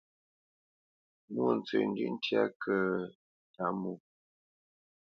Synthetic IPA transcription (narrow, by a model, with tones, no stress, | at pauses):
mu˦˨n̩˨t͡sə̰˨n̩˦dʉ˦n̩˦tja̰˦kʰə˦ | ta˨mu˨